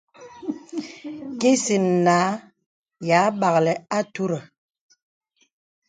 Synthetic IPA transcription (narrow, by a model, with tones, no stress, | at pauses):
ki˦si˨n̩˨naː˨˦ | ja˨˦ɓa˨ɣlɛ˨a˦tu˦ɾə˨